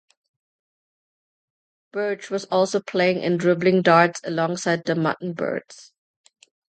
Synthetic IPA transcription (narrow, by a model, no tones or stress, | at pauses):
b̥ɜd͡ʒwɔzɔlˠsopʰl̥eɪɪ̃ŋʔɪ̰̃ndɹɪblɪ̃ŋdaːtsəlɔ̃ŋsaɪd̪̚ðəma̰ʔn̩bɜ̰ːdz̥